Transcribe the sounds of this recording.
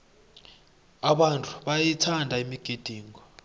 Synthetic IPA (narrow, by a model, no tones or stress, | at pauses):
aɓantʰʼu̥ɓajitʰandʱaimiɡ̥ʱed̥ʱiːŋɡɔ